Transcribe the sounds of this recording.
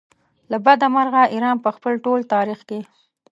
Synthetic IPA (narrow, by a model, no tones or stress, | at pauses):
labad̪amaɾɣaʔiɾɑnpəxpəlʈolt̪ɑɾixke